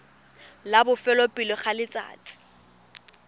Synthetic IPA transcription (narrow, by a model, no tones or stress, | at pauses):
labʊfɛlɔpʼilɔχalɪt͡sʼa̰ːt͡sʼɪ̥